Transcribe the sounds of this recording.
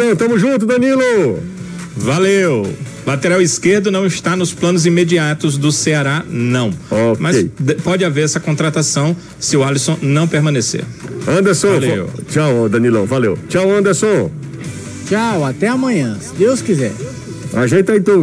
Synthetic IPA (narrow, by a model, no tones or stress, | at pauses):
d̪ɐ̃w̃t̪ɐ̃mʊʒũt̪ʊd̪ɐ̃nilʊ | valew | lat̪eɾawiskeɾd̪ʊnɐ̃w̃iʃt̪anʊsplɐ̃nʊzĩmed͡ʒiat̪ʊzd̪ʊseaɾanɐ̃w̃omɐsd̪pɔd͡ʒɪaveɾɛsɐkõnt̪ɾat̪asɐ̃w̃ | sɪʊalisõnɐ̃w̃peɾmɐ̃nesḛɾɐ̃nd̪ɐsɔ̃lewt͡ʃawɔd̪ɐ̃nilɐ̰̃w̃valḛwt͡ʃawɐ̃nd̪ɐsõ | t͡ʃawat̪ɛamɐ̃ɲɐ̃sɪd̪ewskizɛ̰ɾ | a̰ʒẽt̪aĩt̪õ